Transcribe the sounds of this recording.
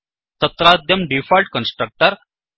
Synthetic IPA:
t̪ɐt̪ɾaːd̪jɐmɖifalʈ̚kɐnsʈɾɐk̚ʈɐɾ

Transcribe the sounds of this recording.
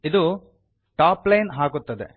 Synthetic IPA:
id̪u | ʈaːplɐjnɦaːɡut̪ːɐd̪ḛ

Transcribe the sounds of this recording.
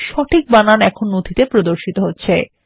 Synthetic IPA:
ʃɔʈʰik̚bananɛkʰonːod̪ʱit̪epɾod̪oɾʃit̪oɦotːɕʰe

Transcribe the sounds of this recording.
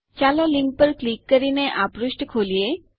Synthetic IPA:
t͡ʃalɔliŋk̚pəɾklikːəɾineʔapɾusʈkʰolie

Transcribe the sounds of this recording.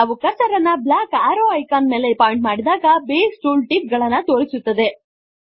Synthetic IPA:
aʋukɐsɐɾɐnːɐblaːkaːɾoːɐjkaːnme̞ːleipaːjeɳʈmaːɽid̪aːɡɐbeːsʈuːlʈip̚ɡɐɭɐnːɐt̪oːɾisut̪ːɐd̪e̞

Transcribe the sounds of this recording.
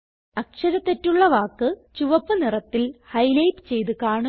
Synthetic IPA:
ɐkʂɐɾɐt̪ːetːuɭːɐʋaːkːɨt͡ɕuʋɐpːɨnirɐt̪ːilhɐjlɐjpt͡ɕe̞jt̪ukaːɳu

